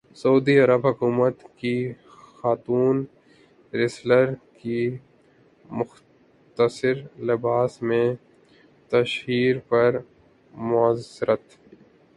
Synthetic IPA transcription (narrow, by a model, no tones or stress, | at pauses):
sɐuːd̪iɐɾəbɦɐkuːmət̪ki | xaːt̪uːn | ɾɪsləɾki | mʊx | t̪əsɪɾlɪbaːsmẽ | t̪ɐʃɦiːɾpɐɾ | mʊasɪɾət̪